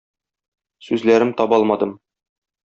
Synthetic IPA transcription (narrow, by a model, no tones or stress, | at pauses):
sʉzlæɾɘmt̪ɒbɒlˠmɑd̪ɤm